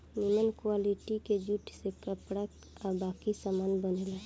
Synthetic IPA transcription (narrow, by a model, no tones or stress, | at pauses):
nimənkwaliʈiked͡ʒuʈsekəpɽa | abakisamaːnbənela